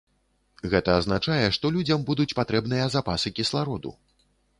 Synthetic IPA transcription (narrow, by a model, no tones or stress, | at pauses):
ɣɛt̪ɐːznat͡ʂajɛʂt̪ɔlʲud͡zʲɐmbud̪ut͡sʲpat̪ɾɛbnɨjɐzapasɨkʲislˠaɾɔd̪ṵ